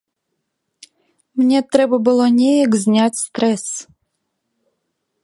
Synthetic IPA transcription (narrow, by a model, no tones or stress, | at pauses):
mnʲɛt̪ɾɛbɐbɨlˠɔnʲɛjɐɡzʲnʲatʲst̪ɾɛs